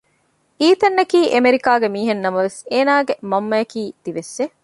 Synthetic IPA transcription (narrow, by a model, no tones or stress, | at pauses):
iːt̪ɐnːɐkiːʔemeɾikaːɡemiːɦenːɐmɐʋeseːnaːɡemɐmːɐjɐkiːd̪̥iʋesːe